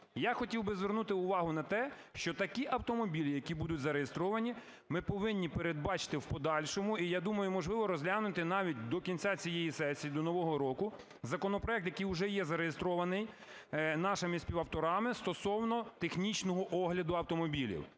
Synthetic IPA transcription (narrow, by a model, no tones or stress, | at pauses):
jaxɔtʲiwbɪzʋʲernut̪ɪʊʋɑɦʊnɐt̪ɛ | ʃt͡ʃɔt̪ɐkʲiʔɐwt̪ɔmɔbʲilʲijɐkʲibud̪ʊtʲzɐɾejest̪ɾɔʋɐnʲi | mɪpɔʋɪnʲːipeɾed̪̚bɑt͡ʃɪ̥t̪ɪwpɔd̪ɑlʲʃɔmʊijad̪umɐjʊmɔʒlˠɪʋɔɾɔzʲɦlʲanʊt̪ɪnɑʋʲit̚ʲd̪ɔkʲinʲt͡sʲat͡sʲijejisɛsʲijid̪ɔnɔʋɔɦɔɾɔkʊ | zɐkɔnɔpɾɔɛk̚t̪jɐkɪjʊʒɛjɛzɐɾejest̪ɾɔʋɐnɪj | nɑʃɪmɪsʲpʲiʋɐwt̪ɔɾɑmɪst̪ɔsɔwnɔt̪exnʲit͡ʃnɔɦɔʔɔɦlʲɐd̪ʊɐwt̪ɔmɔbʲilʲḭw